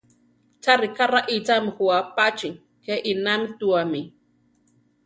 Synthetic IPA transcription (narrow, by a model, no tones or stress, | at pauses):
t͡ʃaɾikaraʔit͡samixuapat͡ʃiŋ | keʔinamit̪uami